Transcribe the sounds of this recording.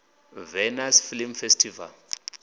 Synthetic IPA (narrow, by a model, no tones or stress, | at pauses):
vɛnasfilimfestʰiva̰l